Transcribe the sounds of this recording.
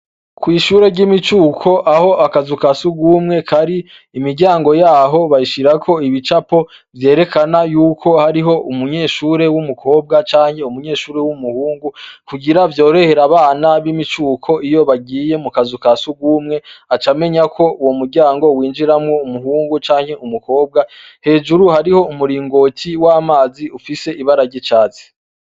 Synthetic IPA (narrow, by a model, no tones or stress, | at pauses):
kwiːʃuːɾe̞ɾɟimit͡ʃuːkʰo̞ʔaho̞ʔakazukasuɡumŋe̞kʰaɾiː | miɾɡɟaːŋɡo̞jaːɦo̞βaiʃiɾakʰo̞iβit͡ʃapo̞ | vje̞ːɾe̞kʰanajuːkʰo̞haɾiɦo̞ʔumuɲe̞ːʃuɾe̞wumukʰo̞ːb̚ɡat͡ʃaːɲhe̞umuɲe̞ːʃuːɾe̞wumuhuːŋɡukuɡiɾavjo̞ːɾe̞he̞ɾaβaːnaβimit͡ʃuːkʰo̞ijo̞βaɡiːje̞mukazukasuɡumŋe̞at͡ʃame̞ɲakʰo̞uwomuɾɟaːŋɡo̞wiːnd͡ʒiɾamŋo̞umuɦuːŋɡut͡ʃaːŋhe̞ʔumuko̞ːb̚ɡa | he̞ːʒuɾuhaɾiho̞umuɾiːŋɡo̞tʰiwaːmaːziufise̞ʔiβaɾaɾɟit͡ʃaːt͡se̥